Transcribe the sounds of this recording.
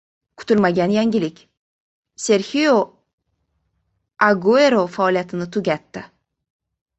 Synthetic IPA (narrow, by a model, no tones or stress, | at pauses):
kʰʊ̥t̪ɪlmaɡʲanjaŋɡʲɪlɪkʲ | se̞ɾhijo | aɡueɾofaːlˠijat̪ʰɪnɪt̪ʰʊɡʲat̪ːɪ